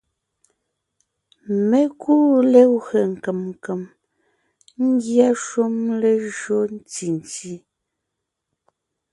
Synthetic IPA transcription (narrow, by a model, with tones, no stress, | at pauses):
me˦kuː˦le˦wɰe˨ŋ̩˨ke˨mŋ˨ke˨m | ŋ̩˦ɡja˦ʃu˦mle˨ʒo˦n˦ti˨n˨ti˦